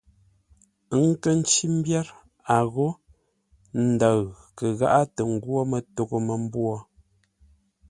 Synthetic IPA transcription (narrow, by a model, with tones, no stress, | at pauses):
ŋ˦kə˦n̩˦t͡ʃi˦m̩˦bja˦ɾ | a˨ɣo˦ | n̩˦da˨ɣ | kə˨ɣa̰˦ʔa˦tə˨ŋ̩˦˨ɡwo˦mə˨to˨ɣo˦mə˨m̩˦bwɔ˦